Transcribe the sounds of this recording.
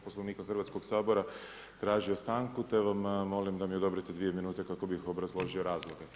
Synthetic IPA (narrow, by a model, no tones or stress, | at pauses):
po̞sloʋniːkaxr̩ʋat̪sko̞ɡsaːboɾa | t̪ɾaːʒio̞st̪aːŋkut̪eʋamːo̞limd̪amio̞d̪o̞bɾet̪ed̪ʋije̞minuːt̪e̞kako̞bixo̞bɾazlˠo̞ʒio̞ɾaːzlˠo̞ɡe̞